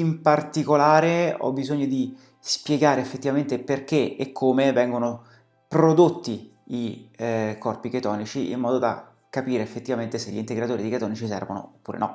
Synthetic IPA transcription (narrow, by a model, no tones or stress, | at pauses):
impart̪ikolaːɾeɔ̰bːizoɲːod̪i | spjeɡaːɾeefːet̪ːivament̪eperk̟eɛkʰːomevɛŋɡono | pɾod̪ot̪ːi | i | kɔrpiket̪ɔːnit͡ʃiʔḭmːɔːd̪od̪a̰ | kapiːɾeːfːet̪ːivament̪eseʎːiːnt̪eɡɾat̪oːɾid̪iket̪ɔːnit͡ʃis̬ɛ̰rvo̰no̰opːuːɾḛnɔ̰